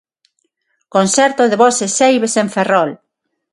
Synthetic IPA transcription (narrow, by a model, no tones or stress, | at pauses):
konsɛɾt̪oðeβɔsesejβeseɱferɔl